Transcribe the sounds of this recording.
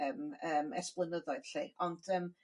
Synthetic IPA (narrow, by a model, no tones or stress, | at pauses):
əməːmɛ̰splˠənəðɔɨð̥ɬiːɔnd̥əːm